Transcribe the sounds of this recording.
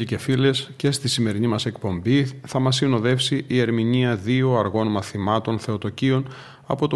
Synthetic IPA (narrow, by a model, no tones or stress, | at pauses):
ice̞file̞sce̞st̪isime̞ɾinimɐse̞kpo̞mbiθɐmɐsːino̞ðe̞fsiʔie̞ɾminiɐðioɐɾɣo̞nmɐθimɐt̪o̞nθe̞o̞t̪o̞cio̞n | ɐ̰po̞t̪o